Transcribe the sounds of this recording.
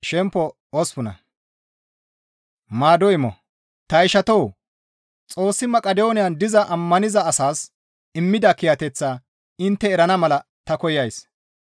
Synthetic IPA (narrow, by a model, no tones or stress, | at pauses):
ʃɛmpːɔ | ɔspʊnɐ̰ | maːd̪ɔɪmɔ̰ | t̪ɐɪʃɐt̪ɔw | t͡sʼo̞ːsːɪmɐkʼɐd̪oːnɪjɐnd̪ɪzɐʔɐmːɐnɪzɐːsaːs | ɪmːɪd̪ɐkɪjɐt̪ɛt͡sːaː | ɪnt̪ːɛːɾɐnɐmɐlɐ | t̪ɐkɔjɐjs